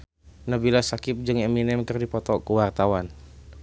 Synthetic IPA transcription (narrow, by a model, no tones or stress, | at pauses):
nabilasakɪp̚d͡ʒɨŋɛminɛmkɨrdipɔt̪ɔkuwart̪awan